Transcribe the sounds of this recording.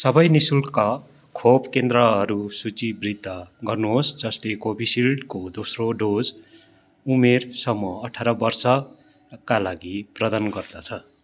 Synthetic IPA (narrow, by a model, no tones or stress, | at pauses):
sʌbʌjnisulka | kʰobkend̪ɾʌɦʌɾusut͡sibrid̪ʱːʌɡʌrnuɦosd͡zʌslekobʱisilɖkod̪osroɖod͡z | umersʌmːʌʌʈʰaɾʌbʌrsʌ | kalaɡiprʌd̪anɡʌrd̪ʌt͡sʰʌ